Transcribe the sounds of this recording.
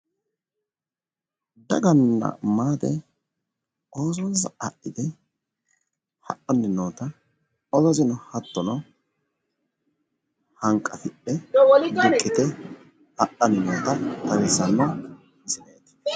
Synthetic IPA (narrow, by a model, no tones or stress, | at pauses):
d̪ɐ̰ɡɐnːɐ̰maːd̪ɛ | o̞ːzonzɐɐʔɪd̪ɛ | hɐʔɔnːɪnoːt̪ɐ | ɔzɔzɪnɔhɐt̪ːɔnɔ | hɐŋkʼːɐfɪʔːɛd̪ɪkʼːɪt̪ɛ | hɐʔɐnːɪnoːt̪ɐt̪ɐɾɛsɐnːɔ | mɪsɪneːt̪